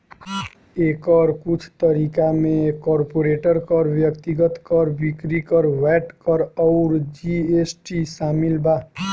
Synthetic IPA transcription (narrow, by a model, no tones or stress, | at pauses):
ekəɾkut͡ʃʰt̪əɾikamekɔɾpoɾeʈəɾkʌɾbjʌkt̪iɡət̪kʌɾbikɾikʌɾwɛʈkʌɾɔʊɾd͡ʒiesʈisamilba